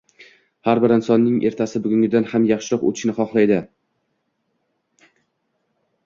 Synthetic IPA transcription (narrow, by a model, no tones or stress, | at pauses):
haɾbɪɾɪnsɒnːɪŋʔe̞ɾt̪ʰasɪbʊɡʲʊŋɡʲɪd̪anhamjɑχʃɪɾɒqo̰t̪ʰɪ̥ʃnɪχɒχlˠajd̪ɪ